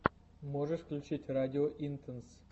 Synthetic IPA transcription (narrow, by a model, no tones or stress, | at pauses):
moʐəʂkʲlʲt͡ɕetʲradʲɪoʔint̪ʰəns